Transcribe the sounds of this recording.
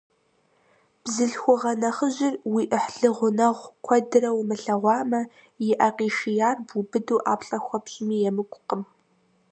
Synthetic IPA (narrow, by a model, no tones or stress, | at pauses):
b̥zɨɬxʷʊʁɐnɐχəʑɪrwiːʔəħɮɨʁʷʊnɐʁʷkʷʰɔdɨrɐwmɨɬɐʁʷɑːmɐ | jɪʔɐqiːʃijaːrbubɨduːʔa̰ːpɬʼɐxʷɔpɕʼɪmiːjɛmɨkʷʼʊqəm